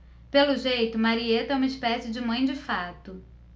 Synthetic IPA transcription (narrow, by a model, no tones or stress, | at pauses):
pelʊʒejt̪ʊmaɾiet̪ɛũmɐispɛsɪd͡ʒɪmɐ̃j̃d͡ʒɪfat̪ʊ